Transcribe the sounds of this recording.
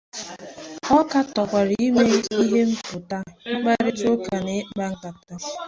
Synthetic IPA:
ɔ˦ka˦tɔ˨kʷa˨ɾi˦i˦me˦i˦ɦe˦m̩˦pʊ˨ta˦ŋ͡m̩˦k͡pa˦ɾɪ˦t͡ʃo˦ka˨ne˨˦ɡ͡ba˦ŋ̩˦k͡pa˨pta˦

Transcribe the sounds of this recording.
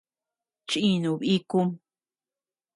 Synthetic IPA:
t͡ʃĩ˧nũ˨βi˦ku˦m

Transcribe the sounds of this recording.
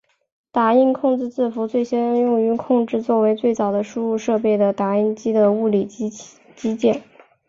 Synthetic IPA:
t̪a˧˥i˥nkʰʊ˥˧ŋʈ͡ʂɻ̩˥˧t͡sɹ̩˥˩fu˧˥t͡swe˥˩ɪɕjɛ˥˧jʊ˥˧ŋy˧˥kʰʊ˥˧ŋʈ͡ʂɻ̩˥˧t͡swɔ˥˩we˧˥ɪt͡swe˥˩ɪt͡sɑ˨˩ʊd̪ə˦ʂu˥u˥˧ʂɤ˥˧pe˥˩ɪd̪ə˩t̪a˧˥i˥˧nt͡ɕi˥d̪ə˨u˥˩li˨˩ | t͡ɕi˥t͡ɕjɛ˥˩n

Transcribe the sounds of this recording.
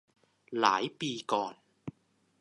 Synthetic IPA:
la̰ː˨˩˦jpiː˧kɔː˨˩n

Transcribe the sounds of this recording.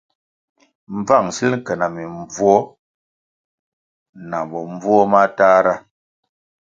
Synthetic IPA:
m̩˨b͡va˦˨ŋsi˦lkɛ˨na˨mi˨ɱ˨vwɔ˦ | na˨bɔ˨ɱ˦b͡vɔ˦ma˦ta˦ɾa˦

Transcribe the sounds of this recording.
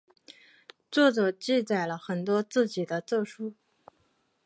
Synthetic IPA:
t͡swɔ˥˩ʈ͡ʂɤ˨˩t͡ɕi˥˧t͡sa˥˩ɪlə˦xə˨˩nt̪wɔ˥t͡sɹ̩˥˩t͡ɕi˨˩d̪ə˦t͡sɤ˥˧ʂu˥

